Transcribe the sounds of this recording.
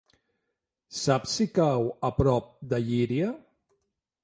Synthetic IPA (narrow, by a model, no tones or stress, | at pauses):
sapsikawəpɾɔp̚d̪əʎiɾiə